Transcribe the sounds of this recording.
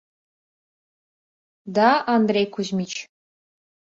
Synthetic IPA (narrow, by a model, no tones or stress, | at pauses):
d̪aand̪rʲejkʷʰuʑmʲit͡ʃʰ